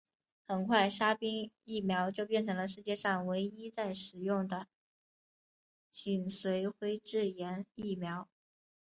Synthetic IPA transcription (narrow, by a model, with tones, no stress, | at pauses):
xə˨˩nkʰwa˥˩ɪʂa˥pi˥ŋ | i˥˩mjɑ˧˥ʊt͡ɕjo˥˧ʊpjɛ˥˩nʈ͡ʂʰɤ˧˥ŋlə˧ʂɻ̩˥˧t͡ɕjɛ˥˧ʂɑ˥˩ŋwe˧˥ɪi˥t͡sa˥˩ɪʂɻ̩˨˩jʊ˥˩ŋd̪ə˩ | t͡ɕʰi˨˩nswe˧˥ɪxwe˥ɪʈ͡ʂɻ̩˥˩jɛ˧˥ni˥˩mjɑ˧˥ʊ